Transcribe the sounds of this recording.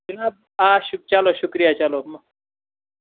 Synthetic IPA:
d͡ʒɐnaːb̚ | aːɕuk̚t͡ɕaloɕukɾijat͡ʃalom

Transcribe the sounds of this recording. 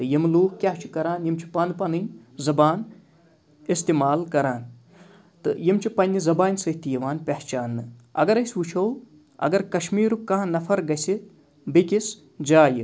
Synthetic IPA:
t̪ɨjɐmluːkkʲaɦt͡ʃʰi̥kɐɾaːnjimt͡ʃʰi̥pɐnd̪pɐnɨjzɐbaːn | ist̪eːmaːlkɐɾaːn | t̪ɨjimt͡ʃʰipɐnʲːizɐbaːnʲsɐɦt̪ijɐʋaːnpʲɐht͡ʃaːnːɨɐ̰ɡɐɾɐsʋut͡ʃʰow | ɐ̰ɡɐɾkɐʃmiːɾukːɐːnɐfʰɐɾɡɐsi | bikis | d͡ʒaːjɨ

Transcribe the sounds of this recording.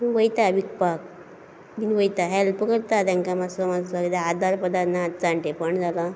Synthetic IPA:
muʋəjt̪aʋikpak̚ | minʋəjt̪aɦɛlpəkəɾt̪at̪jãŋkamasɔmad͡zsakid̪aad̪ʱaɾpəd̪at̪nat̪t͡sãɳʈepəɳd͡zʱala

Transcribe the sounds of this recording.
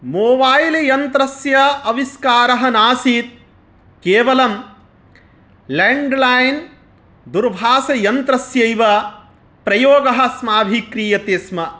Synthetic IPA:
moːbaːjlejɐnt̪ɾɐsjɐʔɐʋiskaːɾɐɦɐnaːsiːt̪̚ | keːʋɐlɐm | leɳɖlaːjn | d̪uɾbʱaːsɐjɐnt̪ɾɐsjɐjʋɐ | pɾɐjoːɡɐɦɐsmaːbʱikɾiːjɐt̪eːsmɐ

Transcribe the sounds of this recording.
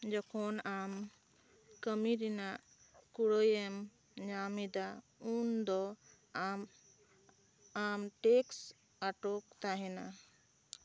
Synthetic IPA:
d͡ʒɔkʰɔnam | kəmiɾinaʔ | kuɽojɛm | ɲamid̪a | und̪ɔ | m | amʈeks | aʈokt̪aɦɛna

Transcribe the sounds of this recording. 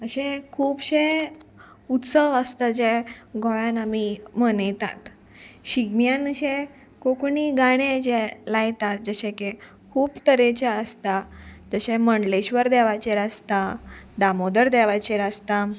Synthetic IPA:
əɕẽkʰuːpɕe | ut̪səʋəst̪ad͡ʑɛɡʱɔɭãnamimənəjt̪a̰t̪ | ɕiɡnjãnəɕẽ | kokɳiɡaɽ̃ed͡ʑɛlajt̪at̪̚d͡zəɕẽke | kʰuːpt̪əɾet͡ɕeəst̪ad͡zəɕɛməɳɖleɕʋəɾd̪ɛʋajt͡ɕeɾast̪ad̪amod̪əɾd̪ɛʋajt͡ɕeɾast̪a

